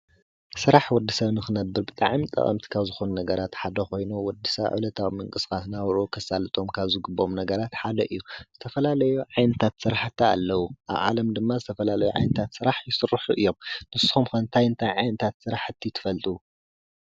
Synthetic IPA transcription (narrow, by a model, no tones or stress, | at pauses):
sɨɾaħwɔd̪ːisɐβnɨxɨnɐbːɨɾbɨt̪ʼa̰ʕmit̪ʼɐ̰χʼɐ̰mt̪ʰi̥kʰaβzɨxonunɐɡɐɾat̪ħad̪ɐxo̞jnuwɔd̪ːisɐβʕɨ̰lɐt̪ʰawmɨŋkʼɨsɨ̥xasnawɾukʰɐsalɨt̪ʼo̞mkʰaβzɨɡɨbːo̞mnɐɡɐɾat̪ħad̪ɐʔɨjːuz̥ɨt̪ʰɐfɐlalɐjuʕajnɨt̪ʰat̪sɨɾaħt̪ʰːa̰ːlːɐwuʔa̰βʕa̰lɐmd̪ɨmːazɨt̪ʰɐfɐlalɐjuʕa̰jnɨt̪ʰat̪sɨɾaħjɪsɨrːħuʔɨjːo̞mnɨsɨ̥xumkʰɐnt̪ʰajnt̪ʰajʕajnɨt̪ʰat̪sɨɾaħɨt̪ʰːit̪ʰɨ̥fɐlt̪ʼu